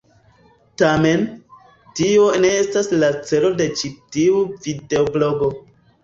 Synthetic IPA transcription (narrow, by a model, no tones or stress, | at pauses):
tame̞n | tio̞ne̞e̞staslat͡se̞lo̞de̞t͡ʃitiuvideoblo̞ɡo̞